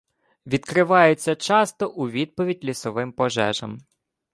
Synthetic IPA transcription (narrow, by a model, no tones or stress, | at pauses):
ʋʲid̪kɾɪʋɑjet͡sʲːɐt͡ʃɑst̪ɔʔʊʋʲid̪̚pɔʋʲidʲlʲisɔʋɪmpɔʒɛ̰ʒɐ̰m